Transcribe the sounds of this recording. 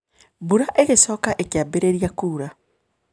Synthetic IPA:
buɾaʔeɣesɔːkaʔekjabeɾeɾjakuːɾa

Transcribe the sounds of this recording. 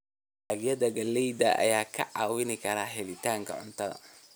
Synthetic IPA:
aɡjɐðɐɡɐlɛjd̪ɐʔɐ̰jaːkʰɐ̰ʕɑːwɪnɪkʰɐɾaːɦɛlɪt̪ʰaːŋkʰɐ̰ʕʊ̰nt̪ʰɐðɐ̰

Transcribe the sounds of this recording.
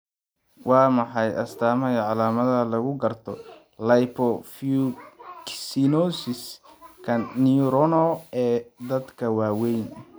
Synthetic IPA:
wɑːmɑħɑjʔɐ̰st̪ʰaːmɐjɐʕɑlaːmɐðɐlɐɣʊɡɐrt̪ʰɔ | lɐjpʰɔfuksinɔsɪskʰɐniɾɔnɔɛːd̪ɐd̪kʰɐwɑːwɛjn

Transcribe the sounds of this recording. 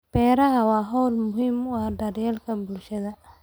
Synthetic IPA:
b̥ɛːɾɐɦɐwɑːɦɔwlmʊɦɪmwɑːɖɐɾjɛlkʰɐbʊlʃɐðɐ

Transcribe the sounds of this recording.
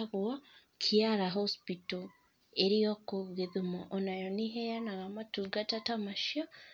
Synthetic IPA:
ɣwa | kʰiaɾaɦospito | eɾijokoɣeðimoʔonajoniɦejanaɣamatuɡatatamaʃia

